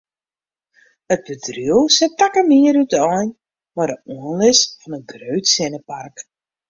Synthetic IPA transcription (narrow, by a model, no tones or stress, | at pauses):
ət̚bədryəwsɛtakəmiəɾytəɔjn | madəuənlɪsfɔnənɡrøɥtsɪnəpark